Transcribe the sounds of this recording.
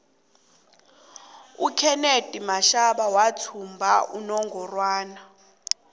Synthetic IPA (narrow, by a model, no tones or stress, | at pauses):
ukʰɛned̥ʱʼimaʃaɓawatʰumbʱaʔṵnɔŋɡʱɔrwaːna